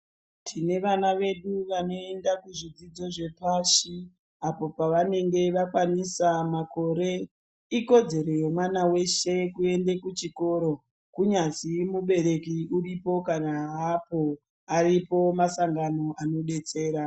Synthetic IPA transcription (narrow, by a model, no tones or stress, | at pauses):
tʰine̞ʋanaʋe̞ɗuʋano̞endakuʐid͡zid͡zo̞ʐe̞paʃi | apo̞paʋane̞ŋɡe̞ʋakwanisamako̞ɾe̞ | iko̞d͡ze̞ɾejomwanawe̞ʃe̞kue̞ndekut͡ʃiko̞ɾo̞ | kuɲazimuɓe̞ɾe̞kiuripo̞kanaɦapo | aripo̞masaŋɡano̞ʔano̞ɗe̞t͡se̞ːɾa